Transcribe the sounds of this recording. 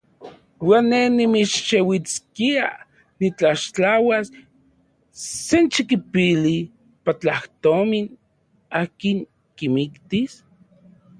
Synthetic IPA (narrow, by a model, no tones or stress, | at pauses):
wanːenimit͡ʃʃewit͡skia | nit͡ɬaʃt͡ɬawas | ent͡ʃikipili | pat͡ɬaht̪omin | aːkiŋ | kimikt̪is